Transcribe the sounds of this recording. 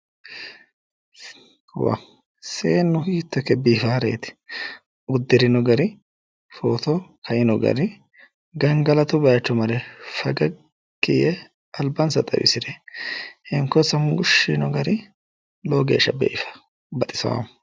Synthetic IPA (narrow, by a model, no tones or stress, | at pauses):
wɐ̰ | seːnːʊhiːt̪ːɔkːɛbiːfaːɾḛːt̪ɪ̥ | ʊd̪ːɪɾɪnɔɡɐɾɪ | foːt̪ɔkʰɐʔɪnɔɡɐ̰ɾɪ | ɡɐŋɡɐlɐt̪ʊbɐjat͡ʃːɔmɐɾɛfɐɡɐ | kːɪjɛ | ɐlbɐnsɐt̪ʼɐ̰wɪ̰sɪɾɛ | hɪŋkːɔsɐmɡʊʃːinɔɡɐɾɪ | loːɡeːʃːɐbḛːʔɪfɐ̥ | bɐt̪ʼɪsɐ̰wɐ̰m